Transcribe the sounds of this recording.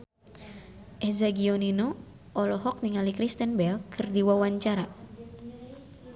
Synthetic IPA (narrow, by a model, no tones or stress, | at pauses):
ʔɛzaɡiɔnino | ʔɔlɔɦɔk̚niŋalikɾist̪ɛnbɛlkʰɨrdiwawaɲt͡ʃaɾa